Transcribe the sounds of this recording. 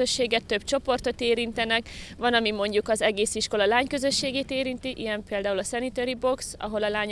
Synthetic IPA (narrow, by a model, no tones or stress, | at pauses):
øʃːeːɡɛt̪ːø̞b̥̚t͡ʃo̞po̞rt̪o̞t̪eːɾint̪ɛnɛkvɒnɒmimo̞ɲɟukɒzɛɡeːsiʃko̞lɒlaːɲkø̞zø̞ʃːeːɡeːt̪eːɾint̪iʔijɛmpeːld̪aːulɒsɛnit̪øɾibo̞ksɒ̰ɦo̞lɒlaːɲ